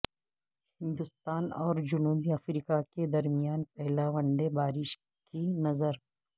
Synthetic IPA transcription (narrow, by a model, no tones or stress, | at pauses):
hɪ̃nd̪ʊst̪aːnɔːɾd͡ʒʊnuːbiɐfɾiːkaked̪ɐɾmijaːnpɛɦlaʋɐ̃ɳɖebaːɾɪʃ | kinɐzəɾ